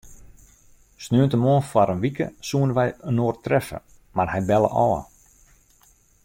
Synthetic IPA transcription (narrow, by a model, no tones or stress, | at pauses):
snøːəntəmoənfaɾənʋikə̰suənʋɛjənoːərtrɛfə̰ | marhɛjbɛlˠə̰ʔɔːə̰